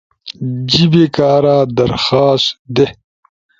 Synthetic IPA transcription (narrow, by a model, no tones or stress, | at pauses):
d͡ʑibekaːɾaːd̪ɐɾxaːsd̪e